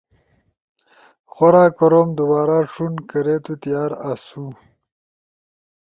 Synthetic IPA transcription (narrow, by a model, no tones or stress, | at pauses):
xoɾaːkoɾoːmd̪ubaːɾaːʂunkɐɾeːt̪ut̪ijaːɾasu